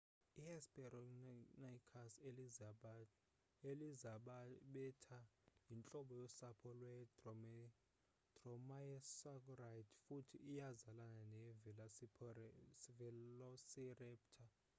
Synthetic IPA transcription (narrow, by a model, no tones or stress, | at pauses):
iɛspʼɛrɔnajkʰaseliza | elizaɓaɓɛtʰajint͡ɬʼɔɓɔjɔsapʰɔlwɛdɔ | d̥rɔmajɛsak̬urajtʰfutʰḭʔijazalananɛvɛa | vɛlɔsirɛp̚tʰa